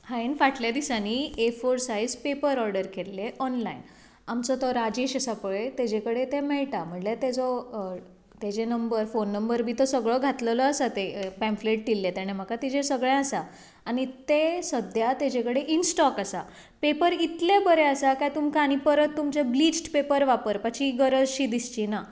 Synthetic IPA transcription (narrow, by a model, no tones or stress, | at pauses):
hãenfaʈljad̪isaniefoɾsajd͡zpepəɾɔɾɖəɾkʰelːeʔɔnlain | amt͡sɔt̪ɔɾad͡ʑeɕasapəɭet̪ed͡ʑekəɽet̪emɛɭʈam̤əɳlet̪ed͡zɔ | t̪ed͡ʑenəmbəɾfonːəmbəɾbʱiːt̪ɔsəɡɭɔɡʱat̪ləlɔasat̪epɛ̃mfleʈ̚ʈ̪ilːet̪aɽ̃em̤akat̪id͡ʑẽsəɡɭjãəsa | aɽ̃it̪esəd̪ʱjat̪ed͡ʑẽkəɽeʔinsʈɔkasa | pepəɾit̪lebəɾeasakajt̪umkaɽ̃ipəɾət̪ːumt͡ɕeblid͡ʑʈpepəɾʋapəɾpət͡ɕiɡəɾəd͡zɕiːd̪ist͡ɕina